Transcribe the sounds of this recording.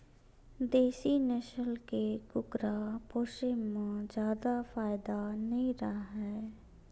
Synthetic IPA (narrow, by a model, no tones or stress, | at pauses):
d̪eːsinɛʃəlkekʊkɾapoːʃɪmmːãd͡ʒjaːd̪afaːɪd̪anɐĩɾaɦɛː